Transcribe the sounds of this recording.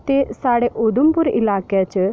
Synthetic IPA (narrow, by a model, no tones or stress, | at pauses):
t̪esaɽeʔod̪umpuɾḭlakjat͡ɕə